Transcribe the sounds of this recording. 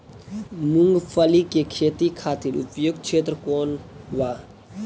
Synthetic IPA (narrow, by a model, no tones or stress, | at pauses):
muŋɡpʰəlikekʰeːt̪ikʰaːt̪iɾṵpjoɡ̚t͡ʃʰeːt̪ɾəkoːnʋa